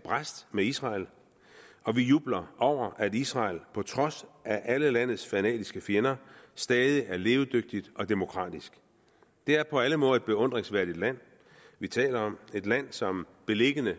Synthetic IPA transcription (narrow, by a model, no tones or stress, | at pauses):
b̥ʁasd̥meisʁɑ̈ːl | ɒ̽ʋijuːb̥lɐʔɒʊ̰ɐʔædisʁɑ̈ːlpʰɒ̽t͡sʰʁɒ̽sʔæʔæləlæn̰ð̩ˠsfænɛ̰ːd̥isɡ̥əfjenɐsd̥ɛːð̞ˠiʔæɐle̝ːʊd̥øɡ̥̚d̥id̥ɒ̽d̥e̝mo̝kʰʁɑ̰̈ːd̥isɡ̥ | d̥e̝æɐpʰɒ̽æləmɔ̽ːð̩ˠed̥̚b̥e̝ɔ̽n̰d̥ʁeŋsʋæɐd̥id̥læn̰ | ʋit͡sʰɛ̰ːlɐɒ̽me̝d̥læn̰sɒ̽m | b̥e̝le̝ɡ̥ənə